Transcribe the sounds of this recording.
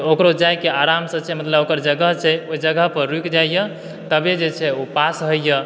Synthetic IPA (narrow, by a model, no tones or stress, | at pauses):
okɾod͡ʒajkeaɾamsə̃t͡ʃʰɛmət̪ləbokəɾd͡ʒəɡəɦt͡ʃʰɛod͡ʒəɡəɦpəɾɾukd͡ʒajjə | t̪əbed͡ʒet͡ʃʰɛopasɦəjjə